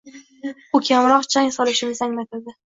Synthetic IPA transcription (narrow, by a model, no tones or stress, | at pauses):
ʊkʲʰamɾɒqt͡ʃʰaŋʲsɒlɪʃɪnɪzaŋlat̪ʰɪd̪ɪ